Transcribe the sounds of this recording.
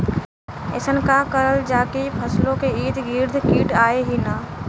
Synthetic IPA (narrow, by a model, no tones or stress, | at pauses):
ḛːsənkakəɾəld͡ʒaːkipʰəslõkeiːt̪ɡiːɾd̪ʱkiːʈaːeɦinaː